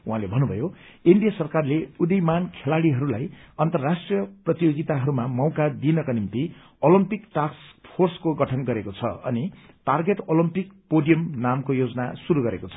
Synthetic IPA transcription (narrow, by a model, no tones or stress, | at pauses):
uɦãlebʱʌnːubʱʌjoinɖijasʌrkarleud̪ʌjmankʰelaɽiɦʌɾulajʌnt̪ʌrːasʈrijʌprʌt̪ijoɡit̪aɦʌɾumamʌwkad̪inʌkanimt̪i | olimpikʈarkspʰorskoɡʌʈʰʌnɡʌɾekot͡sʰʌʌ̰ni | ʈarɡeʈolimpikpoɖijʌmnamkojod͡zʌna̰suɾuɡʌɾekot͡sʰʌ